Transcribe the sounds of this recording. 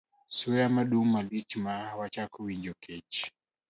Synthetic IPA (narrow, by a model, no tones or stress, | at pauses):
suamaɗumalitimawat͡ʃakuwiɲd͡ʒɔkʰɛt͡ʃ